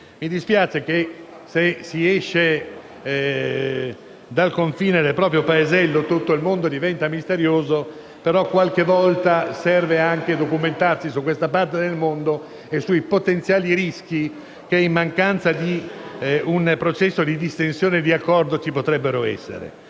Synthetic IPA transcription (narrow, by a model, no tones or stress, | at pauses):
mid̪ispjaːt͡ʃek̟e | sesiɛʃːe | d̪alkoɱfiːned̪elpɾɔːpɾjopaezɛlːot̪ut̪ːoilmond̪od̪ivɛnt̪amist̪eɾjoːzo | peɾɔkwalkevɔlt̪asɛrveaŋked̪okument̪arsisukːwest̪apart̪ed̪elmond̪o | esuipot̪ent̪sjaːliɾisk̟i | keimːaŋkant̪sad̪i | unpɾot͡ʃɛsːod̪id̪ist̪ensjoːned̪iakːɔrd̪ot͡ʃipot̪ɾɛbːeɾoɛ̰sːḛɾḛ